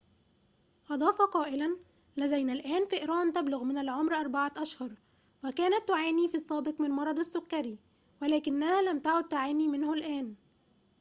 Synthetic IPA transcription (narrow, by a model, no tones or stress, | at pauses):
ʔɑd̪ˤɑːfɑqɑːʔɪlæn | læd̪æjnælʔæːnfiʔɾˤɑːnt̪ablʊɣmɪnalʕomɾʔɑɾˤbaʕaʔæʃhɑɾˤ | wækæːnæt̪ːʊʕaːniːfiːɑsˤːɑːbɪqmɪnmɑɾˤɑd̪ˤasːʊkːæɾi | wælæːkɪnːæhæːlæmt̪aʕʊd̪̚t̪ʊʕaːniːmɪnhʊlʔæːn